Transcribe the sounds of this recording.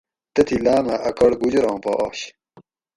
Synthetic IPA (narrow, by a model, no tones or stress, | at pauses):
t̪ɐt̪ʰilaːmɐʔɐkɐɽɡud͡ʑɾõːpɐ̰ʔoːɕ